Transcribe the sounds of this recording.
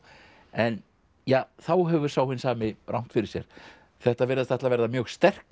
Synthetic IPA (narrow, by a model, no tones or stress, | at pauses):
ɛn | jaːθawɦɛvʏɾ̥saːwhʏnːsaːmɪrawm̥t̪fɪɾɪ̥ɾsjɛ̰ɾ̥ | θɛht̪avɛɾðast̪θɛht̪lavɛɾðamjœːɣst̪ɛr̥k